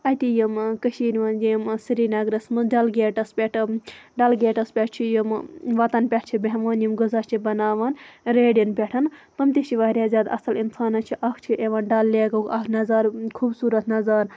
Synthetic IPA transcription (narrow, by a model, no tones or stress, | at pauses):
ɐt̪ijimkɐʃiːnʋaːnd͡ʒijmsiɾiːnɐɡɾɐsmɨɖɐlɡeːʈɐspʲeʈʰɖɐlɡeːʈɐspʲeʈ̚ʰt͡ʃʰijimʋɐt̪ɐnpʲeʈʰt͡ʃʰibeɦʋaːnjimɡuzaːt͡ʃʰibɐnaːʋaːnɾeːɖjinpʲeʈʰɐnt̪ɐmt̪it͡ʃʰiʋaːɾjaːzʲaːd̪aɐsɐlinsaːnɐt͡ʃʰiʔɐkʰt͡ʃʰiʔeʋaːnɖɐlːeːɡɐkɐkʰnɐzaːɾkʰuːbsuːɾɐt̪nɐzaːɾ